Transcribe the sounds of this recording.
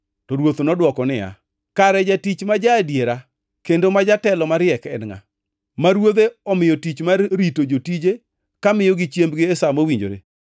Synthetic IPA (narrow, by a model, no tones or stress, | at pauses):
tɔɾwot̪onɔdwɔkɔnɪja̰ | kaɾɛd͡ʒatit͡ʃmad͡ʒaːdjeɾa | kendomad͡ʒatɛlɔmaɾjɛkɛ̰nŋa̰ | maɾwod̪eɔmɪjɔtit͡ʃmaɾitod͡ʒotid͡ʒe | kamɪjɔɡɪt͡ʃjembɡɪesamowiɲd͡ʒo̰ɾḛ